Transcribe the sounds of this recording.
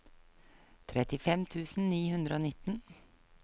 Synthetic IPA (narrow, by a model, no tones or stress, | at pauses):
t̪ʰɾɛt̪ɪfɛmt̪ʰʉːsn̩niːhʉnd̪ɾəoːnɪt̪n̩